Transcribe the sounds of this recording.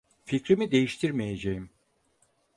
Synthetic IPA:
ficɾimid̪e̞jiʃt̪ʰiɾmeje̞d͡ʒejim

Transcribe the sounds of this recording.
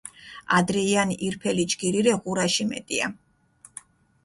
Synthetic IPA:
ad̪ɾɛianʔiɾpʰɛlid͡ʒɡiɾiɾɛʁuɾaʃimɛ̰t̪ʼia̰

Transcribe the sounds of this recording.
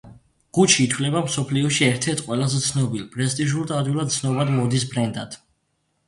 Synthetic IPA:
ɡ̥ut͡ʃʰiːt̪ʰwlɛbamsɔpʰliɔʃiɛɾt̪ʰɛɾt̪ʰqʼwɛlazɛt̪sʰnɔbilˠpʼɾɛst̪ʼiʒult̪ʼad̪ulˠad̪̚t̪sʰnɔbad̪mɔd̪is̬bʰɾɛnd̪ad̪̥ʰ

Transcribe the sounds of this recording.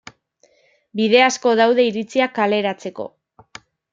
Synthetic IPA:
biðe̞asko̞ðawðe̞iɾit͡siakale̞ɾat͡se̞ko̞̰

